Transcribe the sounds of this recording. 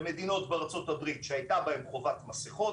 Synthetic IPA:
me̞d̪ino̞t̪beʁat͡so̞t̪abʁit̪ʃeajt̪abaemkʁovat̪maseχo̞t

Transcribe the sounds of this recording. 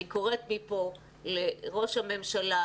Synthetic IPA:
iko̞ʁet̪mipo̞ | leʁo̞ʃhame̞mʃala

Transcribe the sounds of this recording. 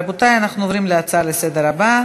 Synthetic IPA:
but̪ajanaχnuovɾimleat͡saalesed̪eɾaba

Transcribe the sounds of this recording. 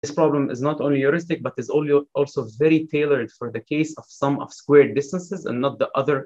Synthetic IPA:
ðɪspɹɑblə̃mɪ̰znətõːnlijɔɹɪstɪk̚bʌt̪ɪzɔɔːlˠsoːvɛɹitʰeɪlˠəɹd̪fɔɹðəkʰeɪsɔv̥sʌ̃mɔ̰v̥skwɛːɹdɪstə̃nsɪzæ̰̃nːət̪̚ðiʔʌðə˞

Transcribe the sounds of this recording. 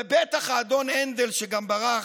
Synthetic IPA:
ebet̪aχaːd̪o̞nend̪elʃeɡambaʁa

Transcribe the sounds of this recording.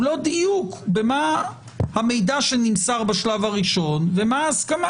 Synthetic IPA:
lo̞d̪ijukbe̞ma | hame̞jdaʃenimsaʁbaʃlavaʁiʃo̞nve̞maːskama

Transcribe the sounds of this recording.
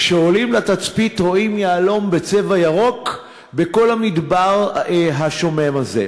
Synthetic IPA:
ʃeo̞limlat̪at͡spit̪ʁo̞imjaːlo̞mbe̞t͡se̞vajaʁo̞k | be̞ko̞lhamid̪baʁɦaʃo̞me̞maze̞̰

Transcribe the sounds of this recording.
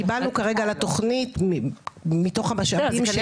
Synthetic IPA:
ibalnukaʁe̞ɡalato̞χnit | mito̞χamaʃavim

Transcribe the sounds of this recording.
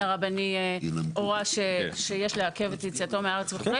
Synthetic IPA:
aʁabaniinoʁaʃeʃejeʃleake̞vet̪jit͡siat̪o̞meaaʁet͡sviχoʁi

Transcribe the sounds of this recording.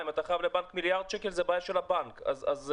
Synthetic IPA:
imat̪aχavlebankmiljaʁd̪̥̚ʃekelzebajaʃelabankazaz

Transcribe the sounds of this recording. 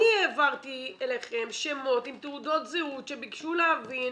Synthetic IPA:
ieːvaʁt̪ieleχe̞mʃemo̞t̪imt̪eud̪o̞t̪zeut̪ʃebikʃuleavin

